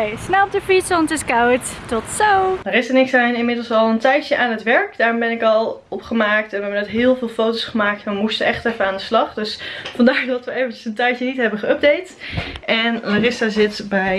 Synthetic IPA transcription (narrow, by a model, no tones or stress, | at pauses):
snɛdəfitsɔntɪskawttɔtsowarɪsəɹnɪksɛjnɪnmɪdəl̩ˠsɑlˠəntɛjjəʔaːnɦətʋɛɹkdaːɹmbɛnɪkɑlˠɔpχəmaːk̚tɛnʋɦɛbənɛtɦɪːlˠvɪːlˠfowtosχəmaːk̚tʋəmustəɛχtɛfəaːndəslɑχdɵsfɑndaːɹdɑtʋəejvənt͡ʃəsəntɛjtjənitɦɛbənχəœb̚dejtɛnlarɪstazɪtbɛj